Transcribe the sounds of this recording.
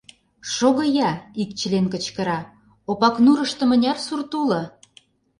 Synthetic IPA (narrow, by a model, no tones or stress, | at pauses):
ʃoɣɤ̆jɑikt͡ɕəlenkə̆t͡ɕkə̆ɾɑ | opɑknuɾə̆ʃt̪ə̆mə̆nʲɑrsurt̪ulɤ̆